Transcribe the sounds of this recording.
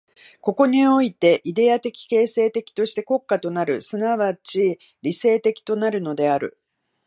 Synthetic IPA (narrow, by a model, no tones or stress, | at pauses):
ko̞ko̞ɲ̟io̞it̪e̞ʔid̪e̞at̪e̞kʲi̥ke̞ːse̞ːt̪e̞kʲi̥t̪o̞ɕi̥t̪e̞ko̞kːat̪o̞naɾɯ̟sɨnaβat͡ɕi | ɾʲise̞ːt̪e̞kʲi̥t̪o̞naɾɯ̟no̞d̪e̞aɾɯ̟̰